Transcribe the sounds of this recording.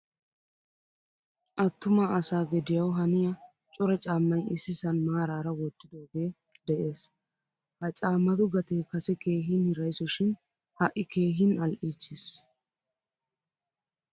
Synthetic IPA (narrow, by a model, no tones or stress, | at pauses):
ʔɐt̪ːʊmaɐsaːɡɛd̪ɪjɐwɦɐnɪjɐ | t͡ʃʼɔɾɐt͡ʃʼaːmːɐjɪsɪsɐnmaːɾaːɾɐwɔt̪ːɪd̪oːɡe̞ː | d̪ɛʔe̞ːs | hɐt͡ʃʼaːmːɐd̪ʊɡɐt̪eːkɐsɛke̞ːɦɪnhɪɾɐjsɔʃɪn | hɐʔɪke̞ːɦɪnɐlʔiːt͡ʃːɪs